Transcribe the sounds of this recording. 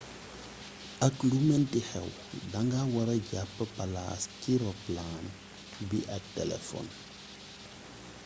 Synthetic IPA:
aklumɛntihɛ̰w | daŋɡawaɾɐɟapːəpala̰ːskiɾɔplan | tubiʔatɛ̰lɛ̰fɔ̰n

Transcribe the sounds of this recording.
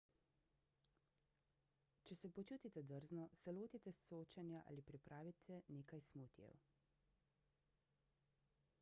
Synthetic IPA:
t͡ʃɛsɛpɔt͡ʃuːt̪it̪ɛd̪əɾznɔsɛloːt̪it̪ɛsoːt͡ʃanjaʔa̰ːlipɾipɾʔaːʋit̪ʰɛneːkajsmut̪jɛ̰w

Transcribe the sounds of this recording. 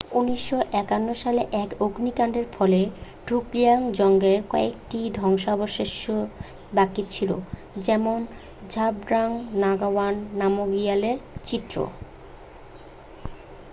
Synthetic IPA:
uniʃːoʔɛkanːoʃaleʔɛkoɡnikaɳɖeɾfʰɔle | ɖʱukliaŋd͡ʑɔŋɡeɾkɔek̚ʈid̪ʱɔŋʃaɔboʃeʃo | bakit͡ɕʰilo̰ | d͡ʑɛmon | d͡ʑʱabɖɾaŋnaɡawanːamoɡialeɾt͡ɕit̪ːɾo̰

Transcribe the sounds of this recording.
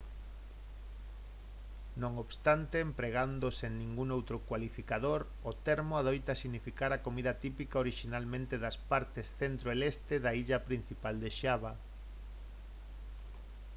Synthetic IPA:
nõŋoβst̪ant̪eːmpɾeɣand̪oseŋnĩŋɡuŋowt̪ɾokwalifikaðoɾ | ʊt̪eɾmʊaðojt̪asiɣnifikaɾakomiðɐt̪ipikaoɾiʃinalmẽnt̪eðɐspaɾt̪esθent̪ɾoelest̪eðaiʎɐpɾin̟θipald̪eʃaβa

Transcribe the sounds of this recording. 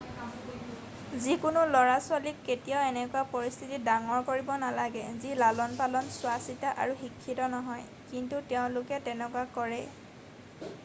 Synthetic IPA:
zikʊnʊlɔɹaswalikːetijɔʊɛnɛkʊwapɔɹist̪ʰitidaŋɔɹkoɹibɔnalaɡɛzilalɔnpalɔnsʊwasitaʔa̰ɹuxikʰːitɔnɔɦɔj | kintutɛʊ̃lʊkɛtɛnɛkuakɔɹɛ

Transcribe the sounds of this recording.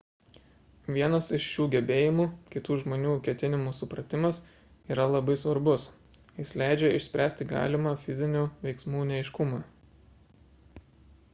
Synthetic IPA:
ʋʲiɛnɐsɪʃʃʲuːɡʲɛbʲeːjɪmuːkʲɪt̪uːʒmoːnʲuːkʲɛt̪ʲɪnʲɪmuːsʊpɾɐt̪ʲɪmɐs | iːɾɐlˠɐbɐɪsʋɐɾbʊs | jɪslʲæˑɪd͡ʒʲɛɪʃʲsʲpʲɾʲæːsʲt̪ʲɪɡɑ̰ːlʲɪmɑːfʲɪzʲɪnʲuːʋʲɛɪksmuːnʲɛɛɪʃkʊmɑː

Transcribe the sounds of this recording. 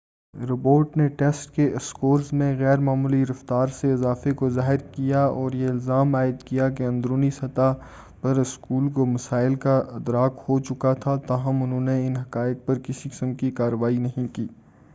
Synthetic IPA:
ɾɪboːɾʈneʈɛːsʈkeʔɪskoːɾzmẽɣɛːɾmaːmuːliɾɐft̪aːɾseɪzaːfekozaːɦɪɾkijaɔːɾjeɪlzaːmaːɪd̪kijak̬eɐ̃nd̪ɾoːnisɐt̪a | pɐɾɪskuːlkomɐsaːɪlkaʔɪd̪ɾaːkhot͡ʃʊkat̪ʰat̪aːɦɐmʊnɦõːneɪnɦɐkaːɪk̚pɐɾkɪsikɪ̥səmkikaːɾəʋaːinɐɦĩkiː

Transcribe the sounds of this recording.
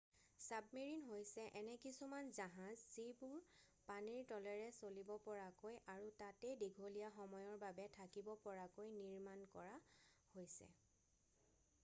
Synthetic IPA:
sabmeɹinɦojsɛʔɛnɛkisumanzaɦãzzibʊɹ | paniɹtɔlɛɹɛsolibɔpɔɹakojʔaɹutatejdiɡʱolijaxɔmɔjɔɹbabɛtʰakibɔpɔɹakojniɹmankɔɹahojsɛ̰

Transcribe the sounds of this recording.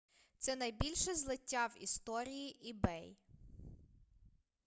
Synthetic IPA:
t̪sɛnɐjbʲilʲʃɛzlˠɪtʲːawḭst̪ɔɾʲijiʔibɛj

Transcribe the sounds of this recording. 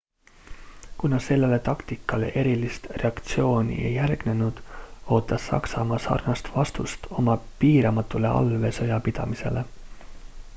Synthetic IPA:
kunɑse̞lːele̞t̪ɑkt̪ikːˑɑle̞̰ʔe̞ɾilist̪re̞ɑkt̪sio̞ːnʲḭḛjːærɡ̥ne̞nud̪̥o̞ːt̪ːˑɑsːɑ̰ksɑmɑsɑ̰rnɑst̪vɑst̪ust̪o̞mɑpiːɾɑmɑt̪ːˑule̞ʔɑ̰lve̞sɤjɑpid̪̥ɑ̰mise̞̰le̞

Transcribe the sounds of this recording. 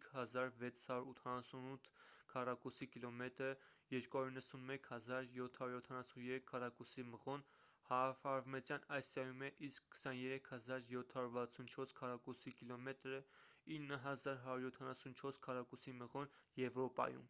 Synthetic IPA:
kʰhɑzɑɾvɛt͡sʰhɑjuɾut̪ʰɑnɑsunut̪ʰkʰɑrɑkusikilɔmɛt̪ɾə | jɛɾkuɦɑjuɾinːəsunmɛkʰhɑzɑɾjɔt̪ʰhɑjuɾjɔt̪ʰɑnɑsunjɛɾɛkʰːɑrɑkusiməʁɔn | hɑfɑɾvmɛt͡sjɑnɑjst̪ɑjumɛʔiskʰːə̥sɑnjɛɾɛkʰhɑzɑɾjɔt̪ʰhɑjuɾvɑt͡sʰunt͡ʃʰɔɾskʰɑrɑkusikilɔmɛt̪ɾə | inːəɦɑzɑɾɦɑɾjuɾjɔt̪ʰɑnɑsunt͡ʃʰɔɾskʰɑrɑkusiməʁɔn | jɛvɾɔpɑ̰jṵm

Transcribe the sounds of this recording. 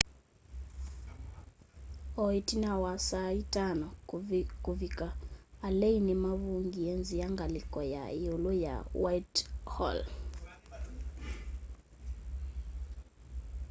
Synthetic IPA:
ɔitinawasaitanɔkuvikaːlɛinimaβuŋɡiɛnzijaŋɡalikɔja̰ioloja̰wajthɔ̰l

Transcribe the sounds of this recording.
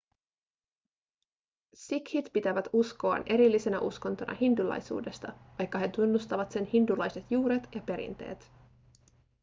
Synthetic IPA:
sikhit̪pit̪æʋæt̪usko̞ɑ̰ne̞ɾilːise̞næʔuskont̪o̞nʔɑ̰hindulɑ̰jsṵːde̞st̪ɑʋɑjkːɑɦe̞t̪unːust̪ɑʋɑt̪se̞nhindulɑjse̞t̪juːɾet̪jɑpe̞ɾḭnt̪e̞̰ːt̪

